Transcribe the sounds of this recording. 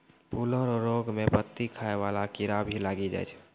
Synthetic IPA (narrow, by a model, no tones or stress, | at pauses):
puləɾɔɾoːɡmẽpət̪ːikʰaːeʋaːlakiɾabʱilaːɡid͡ʒa̰ːt͡ʃʰ